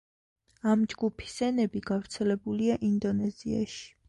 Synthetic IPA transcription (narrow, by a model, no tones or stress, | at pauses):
amd͡ʒɡupʰi̥sɛnɛbiɡ̥avɾt̪sʰɛlɛbuliaʔind̪ɔnɛzia̰ʃi̥